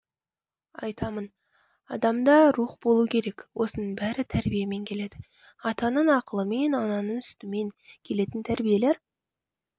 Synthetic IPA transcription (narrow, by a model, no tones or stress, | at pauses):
ɑ̰jt̪ɑmən | ɑ̰d̪ɑmd̪ɑɾuχbo̞lˠukʲʰe̞ɾe̞kʲwʔo̞sənəbæɾɪt̪ʰæɾbijeme̞ŋkʲʰe̞le̞d̪̥ɪ | ɑt̪ɑnəɴɑqəlˠəme̞nɑnɑnənʏst̪ɪme̞ŋkʲʰe̞le̞t̪ɪnt̪ʰæɾbije̞leɾ